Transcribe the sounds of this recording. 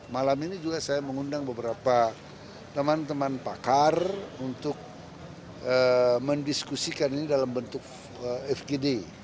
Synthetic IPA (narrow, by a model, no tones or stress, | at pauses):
malaminid͡ʒuɡasajaməŋundaŋbəbəɾapa | t̪əmant̪əmanpakarunt̪ʊk̚ | əməndiskusikaninidalambənt̪ʊk̚ | əɛfɡede